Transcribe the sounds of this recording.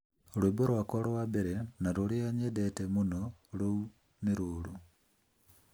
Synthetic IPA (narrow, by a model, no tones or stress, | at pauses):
oliboɾwakolowabeɾenaɾuliaɲedetemunolu | miɾuːlu